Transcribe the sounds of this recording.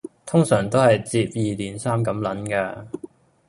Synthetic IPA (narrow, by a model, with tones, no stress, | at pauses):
t̪ʰʊ˥ŋsœː˨˩ŋt̪o˥whɐ˨jt͡siː˧p̚jiː˨t̪iː˨˩nsaː˥mkɐ˨˥mlɐ˨˥nkaː˧